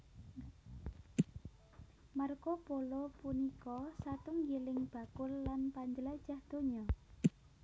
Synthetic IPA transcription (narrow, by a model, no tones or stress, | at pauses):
markopolopunikɔsat̪ʊŋjelɪŋb̥a̤kʊlːanpaɲd͡ʒəlad̥d͡ʒ̥ahd̪̥o̤ɲɔ